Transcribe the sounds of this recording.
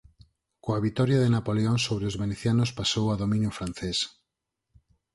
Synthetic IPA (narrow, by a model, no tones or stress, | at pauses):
koaβit̪ɔɾjaðenapoleonsoβɾeozβeneθjanospasowaðomĩnjufɾanθes